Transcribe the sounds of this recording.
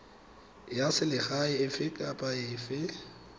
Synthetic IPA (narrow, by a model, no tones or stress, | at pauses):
jasɪlɪɣaɪɪfɪkʼapʼaɪfɪ